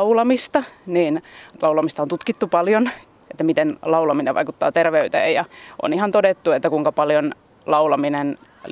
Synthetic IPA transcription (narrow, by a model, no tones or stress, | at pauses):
ulɑmist̪ɑniːnlɑulɑmist̪ɑont̪ut̪kit̪ːupɑljon | et̪ːæmit̪enlɑulɑmineʋʋɑ̰ikut̪ːɑ̰ːt̪erʋeyt̪ḛːjjɑʔo̰nihɑnt̪odet̪ːuet̪ːækuiŋkɑpɑljon | lɑulɑminen